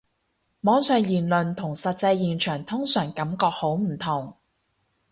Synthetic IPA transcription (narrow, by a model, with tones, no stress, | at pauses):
mɔː˨˥ŋsœː˨˧ŋjiː˨˩nlɵ˨nt̪ʰʊ˨˩ŋsɐ˨t̚t͡sɐ˧jːiː˨nt͡ʃʰœː˨˩ŋt̪ʰʊ˥ŋsœː˨˩ŋkɐ˨˥mkɔː˧k̚ho˨˥wm̩˨˩t̪ʰʊ˨˩ŋ